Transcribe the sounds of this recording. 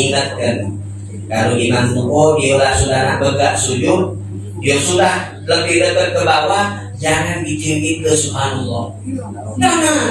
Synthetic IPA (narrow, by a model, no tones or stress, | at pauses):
iŋət̪̚kən | kaɾodimanmuʔoijolahsudahnahbəɡaʔsud͡ʒʊt̪̚ | dijosudah | ləbɪhdəbət̪̚kəbawa | d͡ʒaŋanbid͡ʒiŋkit̪əsubhanɔlːɔh | a